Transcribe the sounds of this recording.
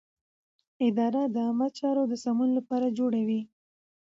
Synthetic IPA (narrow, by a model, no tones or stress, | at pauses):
ɪd̪ɑɾad̪əamad̪̚t͡ʃɑɾod̪əsamunlapɑɾad͡ʒoɽawi